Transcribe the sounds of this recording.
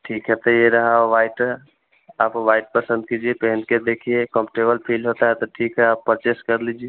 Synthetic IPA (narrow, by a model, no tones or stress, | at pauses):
ʈʰiːkɦɛt̪ejeɾəɦãʋaɪʈ | aːpʋaɪʈ̚pəsə̃nd̪̚kid͡ʒiepɦənked̪ekʰiekɔ̃mpʈebəlpʰilɦot̪aɦɛt̪ɔʈʰikɦɛaːpːɾət͡ʃeskəɾlid͡ʒie